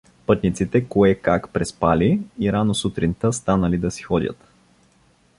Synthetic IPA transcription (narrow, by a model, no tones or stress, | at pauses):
pɤt̪nit̪sit̪ɛkoɛkakpɾɛspaliːɾanosut̪ɾint̪əst̪anəlid̪ɐsi̥xɔd̪ʲə̰t̪